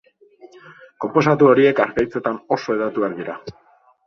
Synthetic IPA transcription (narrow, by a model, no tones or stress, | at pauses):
ko̞mpo̞s̬at̪uo̞ɾie̞kaɾkajt͡se̞t̪ano̞so̞eðat̪uakðiɾa